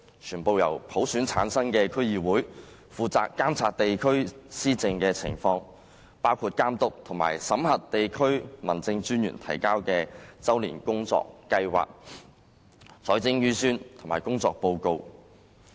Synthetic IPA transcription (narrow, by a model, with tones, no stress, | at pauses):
t͡ʃʰyː˨˩npo˧wjɐ˨˩wpʰo˨˥wsyː˨˥nt͡sʰaː˨˥nsɐ˥ŋkɛː˧kʰɵ˥ɥjiː˨˧wuː˨˥j | fuː˨˧t͡sa̰ː˧kːaː˥mt͡sʰaː˧t̚t̪e˨jkʰɵ˥ɥsiː˥t͡sɪ˧ŋkɛː˧t͡sʰɪ̰˨˩ŋfɔː˧ŋ | paː˥wkʰuː˧t̚kaː˥mt̪ʊ˨k̚t̪ʰʊ˨˩ŋma̰ː˨˩jsɐ˨˥mhɐ˨t̚t̪e˨jkʰɵ˥ɥmɐ̰˨˩nt͡sɪ˧ŋt͡syː˥njy̰˨˩nt̪ʰɐ̰˨˩jkaː˥wkɛː˧t͡sɐ˥wlḭː˨˩nkʊ˥ŋt͡sɔ̰ː˧kːɐ˧jwa̰ː˨k̚ | sʰɔː˨˥jt͡sɪ˥ŋjyː˥syː˥nt̪ʰʊ˨˩maː˨˩jkʊ˥ŋt͡sɔː˧k̚po˧wko˧w